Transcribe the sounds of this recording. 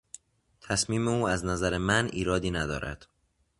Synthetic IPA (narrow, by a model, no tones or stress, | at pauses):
t̪ʰæsmiːmeuːæznæzæɾemænʔiːɾɒːd̪iːnæd̪ɒ̰ːɾæ̰d̪̥